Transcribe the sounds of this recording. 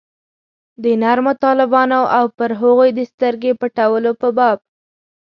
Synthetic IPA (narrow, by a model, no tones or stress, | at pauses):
d̪ənaɾmot̪ɑlɪbɑnoʔawpəɾɦʊɣojd̪əst̪əɾɡepəʈawəlopəbɑb̚